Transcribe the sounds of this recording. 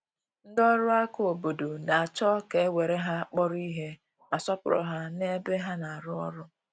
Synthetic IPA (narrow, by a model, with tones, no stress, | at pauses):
n̩˦dɔ˦ɾʊ˦a˦kʊ˦o˨bo˨do˨na˨a˨t͡ʃɔ˦ke˨e˦we˨ɾe˦ɦa˦k͡pɔ˦ɾʊ˦i˦ɦe˦ | ma˨sɔ˦pʊ˦ɾɔ̰˨ɦa˦ne˦be˦ɦa˦na˨a˨ɾʊ˦ɔ̰˦ɾʊ˦